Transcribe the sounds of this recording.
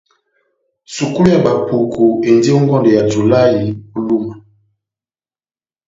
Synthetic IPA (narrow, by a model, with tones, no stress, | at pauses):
su˨ku˦lu˦ja˨ba˨pu˨kʰu˨e˨ndi˦o˦ŋɡɔ˦ndɔ˨ja˨tu˨la˦ji˨o˦lu˦ma˨